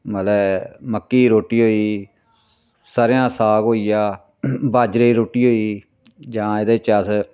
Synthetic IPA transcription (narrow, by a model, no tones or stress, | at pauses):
məlɛːməkːiːɾoːʈiːɦoːiː | saːɾjãːsaːɡɦoːiːjaː | baːd͡ʒɾeːɾoːʈiːɦoːiː | d͡ʒãːɪd̪eːt͡ʃəs